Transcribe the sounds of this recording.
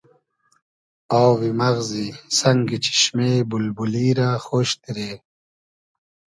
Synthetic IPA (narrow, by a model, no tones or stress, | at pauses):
awwimɐɣzisɐŋɡit͡ɕʰi̥ɕmebulbuliːɾaxoːɕt̪iɾeː